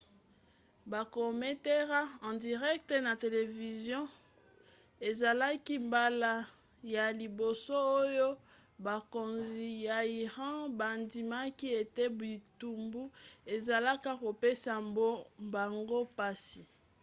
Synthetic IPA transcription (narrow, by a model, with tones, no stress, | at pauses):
ba˨ko˨me˦te˦ʁa˦ɑ̃˨di˨ʁɛ˦k̚tɛ˨na˨te˨le˨vi˨zjɔ̃˦ | e˨za˨la˦ki˦mba˦la˦ | ja˨li˨bo˨so˦o˦jo˦ | ba˨ko˨nzi˨ja˨i˨ʁɑ̃˦ba˨ndi˨ma˦ki˦e˨te˦bi˨tu˨mbu˦e˨za˨la˦ka˦ko˨pe˦sa˨mbo˦mba˨ŋɡo˦pa˦si˨